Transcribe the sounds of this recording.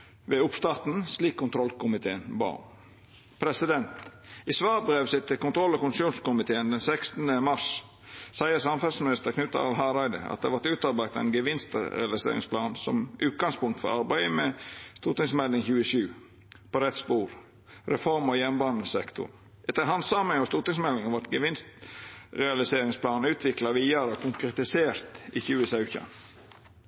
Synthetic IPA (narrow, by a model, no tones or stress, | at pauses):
ʋɛʊpst̪ɑt̪n̩sliːkʰːʊnt̪ʰɾɔlkʊmɪt̪ʰeːənbɑ̰ː | pʰɾɛsɪd̪ɛnt̪ɪsʋɑːɾbɾeːʋsɪt̪ʰːɪlkʊnt̪ʰɾɔlːɑkʊnssuːnskʊmɪt̪ʰeːənd̪ɛnsɛkst̪nəmɑʂ | sæɪəsɑmfɛlsmɪnɪst̪əkʰnʉt̪ːɑ̰ɑ̰lɦɑɾɑɪd̪ə̰ɑ̰t̪̚d̪ehɑʋɑt̪ʉːt̪ɑɾbæɪt̪ɑɛ̰nɡəʋɪnst̪ə̰ɾɛlɪsḛːɾɪ̰ŋspʰlɑːnsɔmʔʉːt̪̚ɡɑŋspʊŋkt̪fɔ̰ɾɑɾbæɪəmɛst̪uːt̪ɪŋsmɛlːɪŋçʉːəʃʉː | pɔɾɛt̪spuːɾ | ɾɛfɔɾmɔjɛnbɑːnəsɛkt̪ʰʊ̰n | ʔɛt̪ːəɦɑnsɑməŋɔst̪uːt̪ɪŋsmɛlːɪŋɑʋɑʈ̪ɡəʋɪnst̪ɾɛɑlɪseːɾɪŋspʰlɑːn̩ʉːt̪ʰʋɪklɑʋiːɑɾəɔkʊŋkɾɛt̪ɪseːɾt̪içʉːəsɑʉçə̰